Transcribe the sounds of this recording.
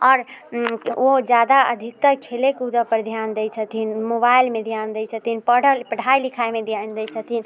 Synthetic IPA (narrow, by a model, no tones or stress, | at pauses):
ɔːɾ | od͡ʒjad̪aə̰d̪ʱik̚t̪əkʰelekud̪əpəɾd̪ʱjand̪ɛjt͡ʃʰət̪inmobajlmed̪ʱjand̪ɛjt͡ʃʰət̪inpəɽəpəɽ̤ajlikʰajmed̪ʱjand̪ɛjt͡ʃʰət̪in